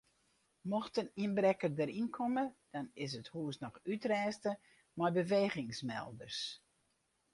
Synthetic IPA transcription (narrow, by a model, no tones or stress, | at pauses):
mɔxtəninbrɛkərdəɾinkʰɔməd̥ɔnɪs̬əthuəsnɔxytrɛːstə | mɔjbəʋeːɣɪŋsmɛ̰lˠdərs